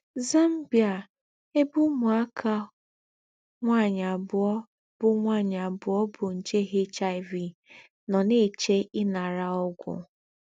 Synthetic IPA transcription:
za˦m̩˦bja˨ | e˦bu˦mʊ˨a˦kʰa˦ | ŋʷa˦˨ɲa˨bʊ˨ɔ˦ | b̥ʊ˨ŋʷa˦˨ɲa˨bʊ˨ɔ˦bʊ˨n̩˨t͡ʃe˦ɦe˦t͡ʃa˦ɪ˨vi˨ | nɔ˨ne˦˨t͡ʃe˦ɪ˦na˨ɾa˦ɔ˦ɡʷʊ̰˨

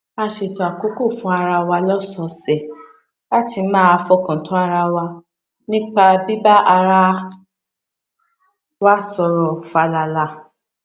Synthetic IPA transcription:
a˧ʃe˨tɔ˨a˨ko˨˦ko˦˨fũ˦a˧ɾa˧wa˧lɔ˦sɔ˧sɛ˨ | la˦ti˧˦mãː˦a˧fɔ˧kã˨tõ˨˦a˧ɾa˧wa˧ | nĩ˦k͡pa˧bi˦ba˦ʔa˧ɾa˦ | wa˦sɔ˧ɾɔ˨fa˧la˧la˨˧

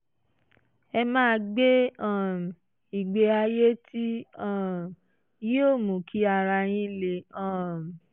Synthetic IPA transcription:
ɛ˧mãː˦˧ɡ͡be˦ã˦˨ | i˨ɡ͡be˧a˧je˦ti˦ã˦˨ | ji˦o˦˨mũ˨kʰi˨˦a˧ɾa˧j̃ĩ˦le˨ã˦˨

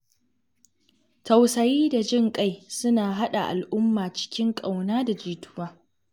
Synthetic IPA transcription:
tɐ˨wsɐ˨jiː˦da˨d͡ʒɪ˦ŋkʼa˦jsʊ˦naː˨ɦa˦ɗa˨ʔa̰˨lʔʊ˦mːaː˨t͡ʃɪ̥˦kʲɪ˦ŋkʼa˨wnaː˦da˨d͡ʒiː˨tʊ˦waː˨

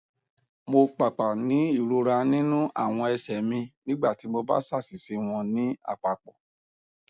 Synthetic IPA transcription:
mo˧k͡pa˨k͡pa˨nĩ˨˦i˦˨ɾo˧ɾa˧nĩ˦nũ˦ʔa̰˦˨w̃ɔ̃˧ɛ˧sɛ˨mĩ˧nĩ˦ɡ͡ba˦˨ti˨˦mo˧ba̰˦sa˦˨si˨se˨˧w̃ɔ̃˧nĩ˨˦a̰˦˨k͡pa˨k͡pɔ˨

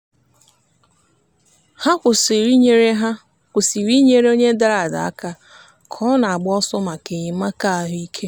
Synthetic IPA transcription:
ha˦kʷʊ˨sɪ˨ɾi˦ɲe˦ɾe˦ɦa˦ | kʷʊ˨si˨ɾi˦ɲe˦ɾe˦o˦ɲe˦da˦˨ɾa˨da̰˨a̰˦ka˦ | kʰɔ˦na˨a˨ɡ͡bʊ˦ɔ˦sɔ˦ma˨ke˨ɲɪ˨˦ma˦ka˦a˨ɦi˦kʰe˦

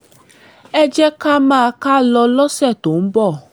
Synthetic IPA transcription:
ɛ˦d͡ʒɛ˦ka˦mã˦˧ka˦lɔ˧lɔ˦sɛ˦˨t̪o˨m̩˦bɔ˦˨

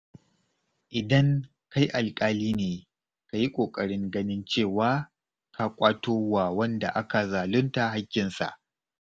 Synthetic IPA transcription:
ʔɪ˨dɐ˦ŋ | ka˦jʔa˨lkʼaː˦liː˦neː˨ | ka˨ji˦kʷʼoː˨kʼɐ˨ɽɪ˦ŋɡɐ˦nɪ˦nt͡ʃeː˦˨waː˦ | kʰa˦kʷʼaː˦toː˦waː˨wɐ˦nda˨ʔa˦ka˨zaː˨lʊ˦nta˨ɦa˦kʲːɪ˨nsa̰˨ʔ

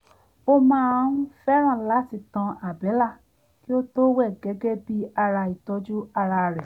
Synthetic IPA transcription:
o˧˦mãː˦ũ˦fɛ˦ɾ̃ã˦˨la˨˦˨ti˧tã˧a˨bɛ˨˦la˦˨ | ki˦o˦to˦wɛ˦˨ɡɛ˨˦ɡɛ˦bi˦a˧ɾa˧i˨tɔ˦d͡ʒu˦a˧ɾa˧˨ɾɛ˨

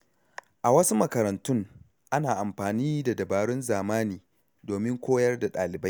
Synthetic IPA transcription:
ʔa˨wɐ˦su˦mɐ˨kɐ˨ɾɐ˨ntʊ˦ŋ | ʔa˦naː˨ʔa˨mɸaː˨niː˦da˨dɐ˨baː˨ɽʊ˦nzaː˨maː˦niː˨ | doː˨mɪ˦ŋkʷoː˦jɐ˦rda˨ɗaː˨lɪ˨ba˦j

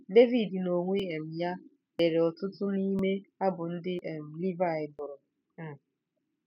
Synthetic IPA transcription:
de˦vi˨dno˨ŋʷe˦e˨m̩˨ja˦ | e˨ɾe˨ɔ˨tʊ˦tʊ˦ni˦me˦a˦bʊ˨n̩˦dɪ˦ʔe˨m̩˨li˦va˨ɪ˨bʊ˨ɾʊ˨ | m̩˨

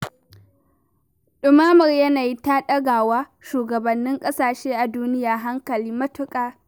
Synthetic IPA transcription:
ɗʊ˨maː˦mɐ˨rjɐ˦naː˨ji˦ta˦ɗɐ˦ɡaː˨waː˦ʃuː˨ɡɐ˨bɐ˨nːɪ˦ŋkʼɐ˦saː˨ʃeː˦ʔa˨duː˦nɪ˦jaː˨ɦa˦ŋkɐ˨liː˦mɐ˦tʊ˦kʼaː˨

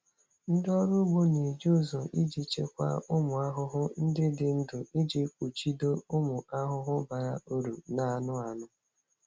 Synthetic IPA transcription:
n̩˦dɔ˦ɾʊ˦ɡ͡bo˦ne˨d͡ʒu˦˨zo˨ʔi˦d͡ʒi˨t͡ʃe˦kʷa̰˦ʊ˦mʊ˨a˦ɦʊ˦ɦʊ˦n̩˦dɪ˦dɪ˨n̩˦dʊ˨i˦d͡ʒi˦kʷu˨t͡ʃi˦do˦ʊ˦mʊ˨ʔa˦ɦʊ˦ɦʊ˦ba˨ɾa̰˦o˦ɾu˨na˨nʊ˦a˨nʊ˦

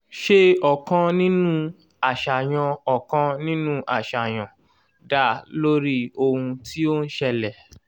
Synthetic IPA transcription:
ʃe˦ɔ˨kã˧nĩ˦nũ˦ | a˨ʃa˨j̃ã˧ɔ˨kã˧nĩ˦nũ˦ʔa˨ʃa˨j̃ã˨ | da˦˨lo˦ɾi˦o˧hũ˧ti˦o˦n̩˦ʃɛ˧lɛ˨

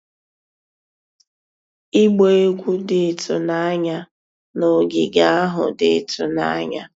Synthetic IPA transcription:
i˦ɡ͡be˦e˦ɡʷu˦dɪ˨tʰʊ˨na˦ɲa˦ | no˨ɡɪ˨ɡa˦a˦ɦʊ̰˨dɪ˨tʊ˨na̰˦a˦ɲa˦

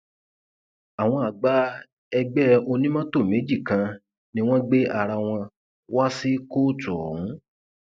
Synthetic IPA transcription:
a˨w̃ɔ̃˧a˨ɡ͡ba˨˦ | ɛ˧ɡ͡bɛ˦o˧nĩ˦mã˦to˦˨mẽ˨˦d͡ʒi˦˨kã˧ | nĩ˦w̃ɔ̃˦ɡ͡be˦ʔa˨ɾa˧w̃ɔ̃˧ | wa˦si˦koː˦˨tɔ˨ũ˨˦

